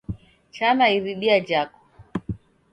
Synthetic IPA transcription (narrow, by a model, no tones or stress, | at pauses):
t͡ʃanaiɾiɗiad͡ʒakɔ̥